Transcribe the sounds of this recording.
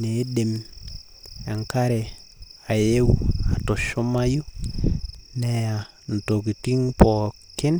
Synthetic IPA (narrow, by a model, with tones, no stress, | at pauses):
ne˨˦de˨m | e˨ŋka˦ɾe˨ | a˨je˦wa˨to˨ʃo˦ma˦ju˦ | nɛ˨ja˨ | n̩˨to˨ki˨ti˦ŋpɔ˨ | kɪ˦n